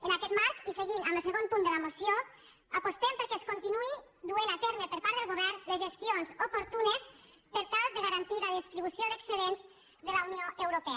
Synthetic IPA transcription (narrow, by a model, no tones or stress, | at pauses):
ənakɛt̪maɾkiseɣinambəlˠsəɣonpund̪əlamosjo | apost̪ɛmpəɾkɛskont̪inui | d̪uenat̪ɛɾmepəɾpaɾðəlɣoβɛɾnləzʒəst̪ionzopoɾt̪unes | pəɾt̪alˠd̪əɣaɾant̪iðəðist̪ɾiβusjoðəksəðenz | ðəlaunioʔewɾopɛ